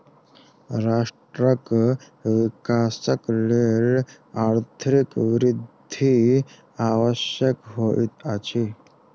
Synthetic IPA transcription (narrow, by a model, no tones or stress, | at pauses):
ɾaʂʈɾək | ʋikasəkleɭ | aɾt̪ʰəɾikʋɾid̪ʱi | aʋəɕjəkɦoʔit̪at͡ɕi